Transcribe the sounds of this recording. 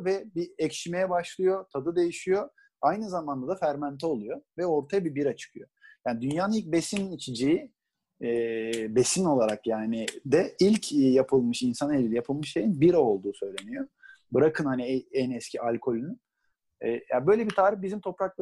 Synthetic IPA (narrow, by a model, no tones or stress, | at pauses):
vɛbiɛcʃimejɛbaʃlˠɯjo̞t̪ʰad̪ɯd̪e̞jiʃijo̞ | ajnɯzamand̪ad̪afæɾmant̪ʰɛo̞lˠujo̞vɛo̞ɾt̪ʰajabibiɾat͡ʃʰɯ̥kʰɯjo̞jaːnid̪ynjaːnɯnilʲc̚besinit͡ʃʰid͡ʒiji | be̞sino̞lˠaɾakjaːnɪd̪ɛilʲcʰjapʰɯlˠmɯʃinsanelʲilʲɛjapʰɯlˠmɯʃʃejinbiɾao̞lˠd̪uːsø̞jlʲe̞nijo̞ | bɯɾakʰɯnhaniɛɛnɛscʰiʔalʲkʰo̞lʲyny | ɛjabø̞jlʲebit̪ʰaːɾibizimt̪ʰo̞pɾaklˠ